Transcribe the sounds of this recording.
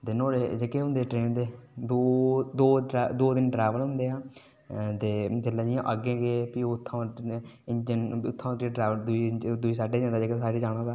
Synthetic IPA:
t̪eːnoːɾeːd͡ʒekeːɦʊ̃nd̪eːʈɾeːnt̪eːd̪oːd̪oːd̪oːd̪ɪnɖɾeːʋəlɦʊ̃nd̪eːãː | t̪eːd͡ʒəlːãːd͡ʒɪjã̰ːʔəɡẽːɡeːpioʊt̪ʰːãː | ɪnd͡ʒənʊt̪ʰːãːkeɖɾaːʋəld̪ʊiːd̪ʊiːsaːɖeːãnd̪aːd͡ʒeːkesaːɖiːd͡ʒaːɽ̃ãːd̪aː

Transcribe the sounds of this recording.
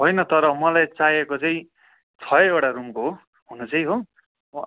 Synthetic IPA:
ɦojnʌt̪ʌɾʌmʌlajt͡sajekot͡sʌĩ | t͡sʰʌjewʈarumko | ɦunut͡sʌĩɦo

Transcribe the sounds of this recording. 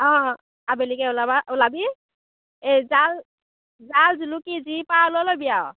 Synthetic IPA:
ɔ̃ | abelikɛʊlabaʔulabi | ezal | zalzulukizipalɔlojbijaw

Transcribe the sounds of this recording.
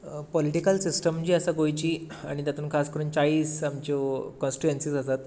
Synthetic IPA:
pɔliʈikəlsisʈəmt͡ɕiːəsaɡojt͡ɕiː | aɽ̃it̪jat̪uːnkʰaskəɾuːnt͡saiːsamt͡ɕokɔ̃nsʈuensiːsəsat̪̚

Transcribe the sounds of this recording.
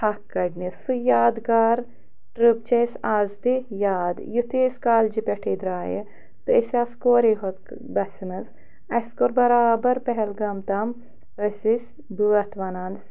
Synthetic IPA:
hɐkːɐɖnisujaːd̪ɡaːɾ | ʈɾub̚t͡ʃɐsaːzd̪ijaːd̪jut̪iːsʲkaːld͡ʒipʲɛʈʰiːd̪ɾaːjə̰ | t̪ɨɐsaːskoːɾiɦot̪ | bɐsimɐz | ɐskoɾbɐɾaːbɐɾpɛɦɛlɡɐmt̪ɐm | ɾɐsis | buɐt̪ʋɐnaːns

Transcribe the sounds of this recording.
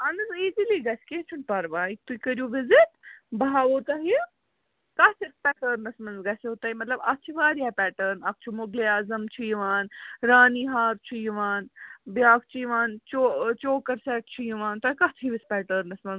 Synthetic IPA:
ɐnɨziːziliɡɐskeːt͡ʃʰunpɐɾʋaːit̪uikɐɾjuːʋɪzit̪bɐɦaːʋoːt̪aɦi | kɐt̪ʰispɛːʈəɾnɐsmɐnzɡɐseoːt̪aɦimɐt̪lɐbɐk̚t͡ʃʰiʋaːɾiaːpɛːʈəɾnɐk̚t͡ʃʰumoɡleaːzɐmt͡ʃʰijiʋaːnɾaːniːɦaːɾt͡ʃʰujiʋaːnbjaːk̚t͡ʃʰijiʋaːnt͡ʃoːt͡ʃoːkɐɾsɛːʈ̚t͡ʃʰujiʋaːnt̪aːikɐt̪ʰiʋispɛːʈəɾnɐsmɐnz

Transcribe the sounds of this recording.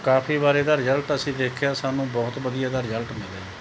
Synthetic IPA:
kaːpʰiːbaːɾeːd̪aːɾɪzəlʈəsĩːd̪eːkʰjaːsaːnũːbɔːt̪ʋəd̪ijaːd̪aːɾɪd͡ʒəlʈmɪlḛː

